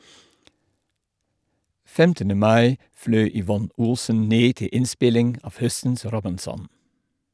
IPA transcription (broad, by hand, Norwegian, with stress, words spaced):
ˈfɛmtənə ˈmɑɪ ˈflœʏ ʏˈʋɔn ˈʊlsən ˈneː ˈtɪ ˈɪnˌspɪlɪŋ ˈɑf ˈhœsn̩s ˈɾɔbɪnˌsɔn